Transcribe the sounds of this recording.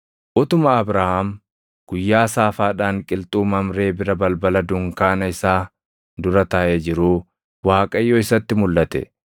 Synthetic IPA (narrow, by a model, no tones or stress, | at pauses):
ʔʊt̪ʊmɐɐbɾaːhɐm | ɡ̥ʊjːaːsaːfaːᶑaːŋkʼɪlt̪ʼuːmɐmɾe̞ːbɪɾɐbɐlbɐlɐd̪ʊŋkaːnɐɪsaː | d̪ʊɾɐt̪ɐʔeːd͡ʒɪɾuː | waːkʼɐjːoːɪsɐt̪ːɪmʊlːɐt̪ɛ̰